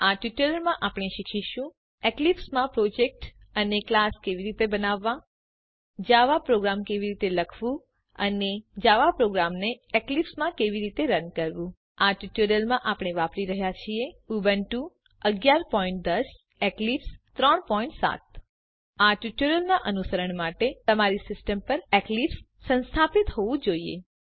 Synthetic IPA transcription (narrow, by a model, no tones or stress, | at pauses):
aʈjuʈəɾəlmãʔapɽ̃eʃikʰiʃũ | eklipsmãpɾod͡ʒek̚ʈ | əneklaskeʋiɾit̪ebənaʋːã | d͡ʒaʋapɾoɡɾamkeʋiɾit̪eləkʰʋũ | əned͡ʒaʋapɾoɡɾamneeklipsmãkeʋiɾit̪eɾənkəɾʋũ | aʈjuʈuɾjəlmãʔapɽ̃eʋapɾiɾəɦjat͡ʃʰieubənʈũ | əɡjaɾpɔĩɳʈ̚d̪əs | eklipst̪ɾəɳpɔiɳʈsa̰t̪̚ | aʈjuʈuɾjəlnaʔənusəɾəɳmaʈet̪əmaɾisɪsʈəmpəɾeklipsːə̃nst̪ʰapit̪ɦoʋũd͡ʒoiḛ